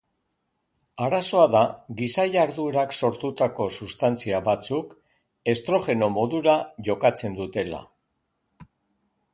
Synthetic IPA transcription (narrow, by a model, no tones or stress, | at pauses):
aɾaso̞aðaɣisajaɾðueɾakso̞ɾt̪ut̪ako̞sust̪ant͡siaβat͡suk | e̞st̪ɾo̞xe̞no̞mo̞ðuɾaʝo̞kat͡se̞nd̪ut̪e̞la̰